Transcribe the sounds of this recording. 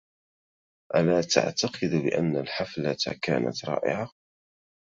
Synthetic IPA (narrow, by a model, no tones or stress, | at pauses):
ʔalaːt̪a̰ʕt̪ɑqɨd̪bɪʔanːalħaflat̪ka̰ːna̰t̪ɾˤɑ̰ːʔɪ̰ʕa